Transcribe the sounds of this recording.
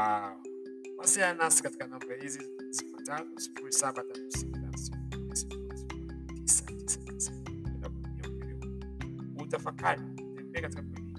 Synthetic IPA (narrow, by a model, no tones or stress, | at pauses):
a | wasɛanasi̥kati̥kanambahizi | simatanɔsi̥fuɾisabatatusimatasiuasi̥fuiasifuɾi | tisatisḁisa | iala̰kuumiaɛlɛ | hutafakaɾi | tɛmbɛkati̥kakwɛli